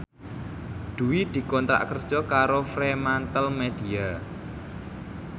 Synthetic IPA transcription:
d̪̥uwid̪̥i̤kɔnt̪ɾa̰ʔkərd̥ʒ̥ɔkaɾofɾemant̪əlmed̪̥ia

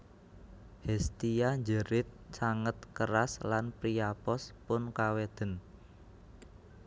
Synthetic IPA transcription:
hɛst̪ijaɲd͡ʒəɾɪt̪̚t͡ʃaŋət̪̚kəɾaslanpɾijapɔspʊnkawed̪̥ə̤n

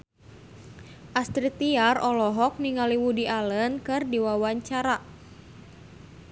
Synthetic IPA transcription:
ʔast̪ɾit̪iarɔlɔɦɔk̚niŋaliwudialənkɨrdiwawaɲt͡ʃaɾa

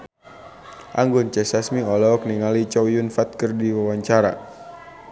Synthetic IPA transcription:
ʔaŋɡʊnt͡ʃɛsasmiɔlɔk̚niŋalit͡ʃɔwjʊnfat̪̚kɨrdiwawaɲt͡ʃaɾa̰

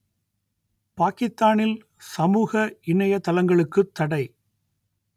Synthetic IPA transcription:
paːkɪst̪aːnɪl | sɐmuːɣɐɪɳɐjɐt̪ɐlɐŋɡɐɭɯkːɯt̪ːɐɽɐɪ

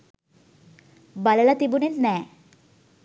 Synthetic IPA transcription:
balɛlat̪ibunet̪nɛ

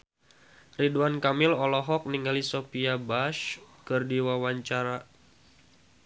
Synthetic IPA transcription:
ridwankamɪlɔlɔɦɔk̚niŋɡalisopiabaʃkɨrdiwawaɲt͡ʃaɾa

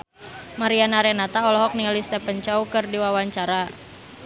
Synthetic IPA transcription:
maɾianaɾɛnat̪aɔlɔɦɔk̚nialist̪ɛpənt͡ʃɔukɨrdiwawaɲt͡ʃaɾa

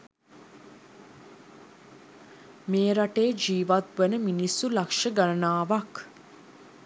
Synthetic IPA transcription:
meːɾaʈeːd͡ʒiːʋat̪̚ʋənəminisːulakʂəɡaɾənaːʋɐk

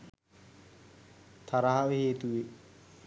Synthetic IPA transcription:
t̪ʰaɾaɦaʋeheːt̪uʋe

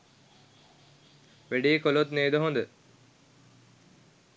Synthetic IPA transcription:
ʋeɖijekolot̪neːd̪əɦond̪ə

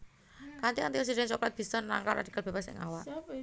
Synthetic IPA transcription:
kant̪iant̪iɾɛs̬idɛnsɔklat̪̚b̥ist̪ənːa̰ŋkara̰d̥ikalb̥ebasɪ̰ŋa̰waʔ

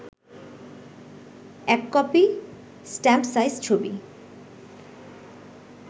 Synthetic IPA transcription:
ɛkːɔpi | sʈɛmpsajst͡ɕʰobḭ

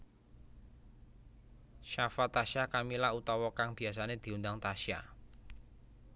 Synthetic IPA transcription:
ʃafat̪aʃakamilahut̪ɔwɔkaŋb̥i̤as̬aned̪̥i̤undaŋt̪aʃa̰

